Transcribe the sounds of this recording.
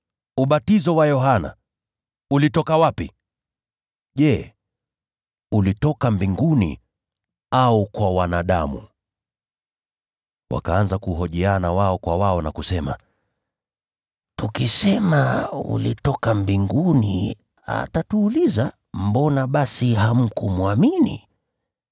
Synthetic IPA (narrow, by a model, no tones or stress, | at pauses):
uɓatizɔwajɔɦana̰ | ulitɔkawapi | ʄɛ | ulitɔkambiŋɡunḭ | aukwawanaɗamṵ | wa̰kaanzakuɦɔʄɛanawaɔkwawaɔnakusɛma̰ | tukisɛmaṵlitɔkambiŋɡunḭ | a̰tatuːliza | mbɔnaɓasiɦam̩kumuaminḭ